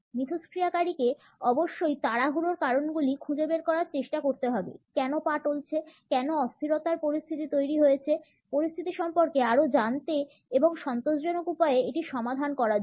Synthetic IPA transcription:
mit̪ʰoskɾiakaɾike | ɔboʃːojt̪aɽaɦuɾoɾkaɾonɡulikʰud͡ʑebeɾkɔɾaɾt͡ɕeʃʈakoɾt̪eɦɔbḛkɛnopaʈolt͡ɕʰekɛnoɔst̪ʰiɾot̪aɾpoɾist̪ʰit̪it̪ojɾiɦojet͡ɕʰe | poɾist̪ʰit̪iʃɔmpoɾkeaɾod͡ʑant̪e | eboŋʃɔnt̪oʃd͡ʑɔnokupaeeeʈiʃɔmad̪ʱankɔɾa

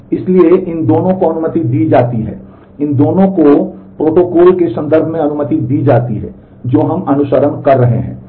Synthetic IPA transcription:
ɪslieʔɪnd̪oːnõkoɐnʊmət̪id̪iːd͡ʒaːt̪iɦɛ̰ː | ɪnd̪oːnõkopɾoːʈoːkɔːlkesɐ̃nd̪əɾbʱmẽɐnʊmət̪id̪iːd͡ʒaːt̪iɦɛ̰ː | d͡ʒoːɦɐmɐnʊʃəɾənkɐɾːɐɦḛɦɛ̰̃ː

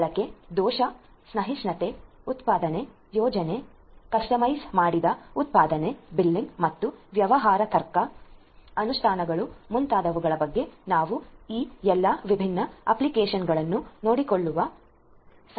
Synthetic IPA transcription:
ɭɐkːe̞d̪ɔːʃɐ | snɐɦisnɐt̪e̞ut̪paːd̪ɐne̞ | jɔːd͡ʒɐne̞ | kɐsʈɐmɐjsmaːɽid̪ɐut̪̚paːd̪ɐne̞bilːiŋɡmɐt̪ːuʋjɐʋɐɦaːɾɐt̪ɐɾkɐ | ɐnustʰaːnɐɡɐɭumunt̪aːd̪ɐʋuɡɐɭɐbɐɡːe̞naːʋuiːɛlːɐʋibʱinːɐɐ̰plikeːʃɐnɡɐɭɐnːunoːɽikoɭːuʋɐ | s

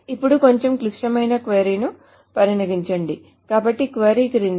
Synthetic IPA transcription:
ipːuɽuko̞ɲt͡ʃemklikʂɐmɐjnɐkʋeːɾinu | pɐɾinɐɡiɲt͡ʃɐɳɖi | kaːbɐʈːikʋeːɾikɐɾin

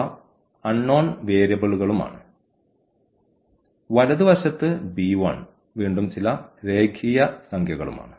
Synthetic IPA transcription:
ɐnːo̞ːnʋeːɾjɐbɐɭuɣɐɭuma̰ːɳɨ | ʋɐlɐðɨʋɐɕɐt̪ːɨbiːʋɐɳ | ʋiːɳɖumt͡ɕilɐɾe̞ːkʰijɐsɐŋkʰjɐɣɐɭuma̰ːɳɨ

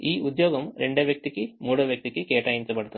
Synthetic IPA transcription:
iːʔud̪jo̞ːɡɐmɾeɳɖeːʋjɐk̚t̪ikʲːɨmuːɽɐʋjɐk̚t̪ikʲːɨkeːʈːaːjint͡ɕɐpɐɽut̪ːu

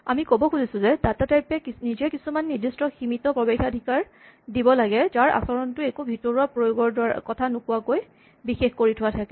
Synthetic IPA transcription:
amikobɔkuzisʊ̃zɛdatataɹpɛknizɛkisumanːidistɔximitɔpɹɔbexadʱikaɹ | dibɔlaɡɛzaɹa̰sɔɹɔntʊekubʱitɔɹuapɹojoɡɔɹdkɔtʰanʊkuwakoj | bixexkoɹitʰʊwatʰakɛ

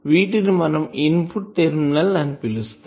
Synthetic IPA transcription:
ʋiːʈːɪɾɯmɐnɐmɪnpʊʈ̚t̪eɾɯmnɐlɐnpɪlɯst̪

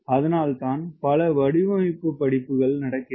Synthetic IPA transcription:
ɐðɐnaːlt̪aːnpɐlɐʋɐɽɪʋɐmɪpːɯpːɐɽɪpːɯɣɐɭnɐɽɐkːɪ

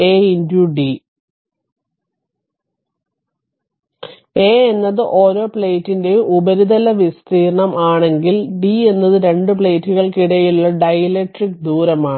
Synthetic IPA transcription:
eːindjuɖi | eːenːɐðɨʔo̞ːɾo̞ːpɭejtːinde̞ubɐɾid̪ɐlɐʋist̪ʰiːɾɳɐmaːɳe̞ŋɡilɖie̞nːɐðɨɾe̞ɳɖɨpɭeːtːuɣɐɭkiɽɐjuɭːɐɖɐjɐleʈrikd̪uːɾɐmaːɳ

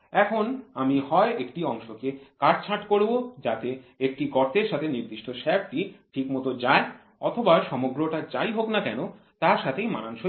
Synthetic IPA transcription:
ɛkʰonamihɔeʔekʈiɔŋʃokekaɖ̚t͡ɕʰaʈkoɾbod͡ʑat̪eekʈiɡɔɾt̪eɾʃat̪ʰeniɾd̪iʃʈoʃɛb̚ʈiʈʰikmɔt̪od͡ʑae | ɔt̪ʰobaʃɔmoɡɾoʈat͡ɕajɦoknakɛno | t̪aɾʃat̪ʰejmananʃo

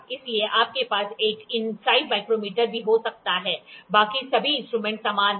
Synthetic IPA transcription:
ɪslieʔaːp̚kepaːseːkɪnsaːimaːɪkɾomiːʈəɾbʱiɦosɐk̚t̪aɦɛːbaːkisɐbʱiɪ̃nsʈɾuːmɛ̃ɳʈsaːmaːn

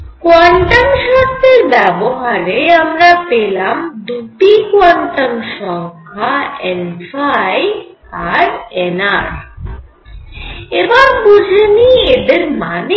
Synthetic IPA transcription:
kwaɳʈamʃɔt̪ːeɾbɛboɦaɾeamɾapelamd̪uʈikwaɳʈəmʃɔŋkʰaenfaj | aɾenaɾ | ebaɾbud͡ʒʱənied̪eɾmane

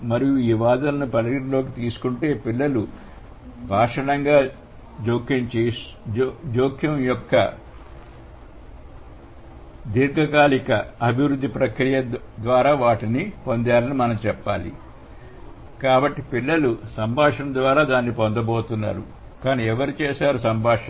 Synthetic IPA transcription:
mɐɾijuiiːʋaːd̪ɐlɐnupɐlɐɡiɽilo̞ːk̬it̪iːsu̥kuɳʈe̞ːpilːɐlu | bʱaːʂɐnɐŋɡaː | d͡ʒoːkʰjɐmt͡ʃes | d͡ʒoːkʰjɐmjɔkːɐ̰ | d̪iɾɡʱɐkaːlikɐɐbʱiʋɾud̪ʱːipɾɐkɾijɐd̪ʋaːɾaːʋaːʈinipo̞nd̪aːlɐnimɐnɐmt͡ʃɛpːaːlḭ | kaːbɐʈːipilːɐlusɐmbʱaːʂɐnd̪ʋaːɾaːd̪aːnːipo̞nd̪ɐbo̞ːt̪unːa̰ːɾṵ | kaːniːɛʋɐɾit͡ʃɛːsaːɾusɐmbʱaːʂɐ

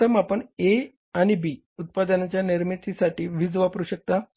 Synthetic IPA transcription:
əmapəɳe | aɽ̃ibiː | ut̪̚pad̪ənat͡ɕjaniɾmit̪ʰisaʈiːʋid͡zʋapɾuɕək̚t̪a

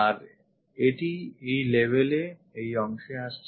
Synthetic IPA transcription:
aɾ | eʈiejlebʱeleejɔŋʃeaʃt͡ɕʰ

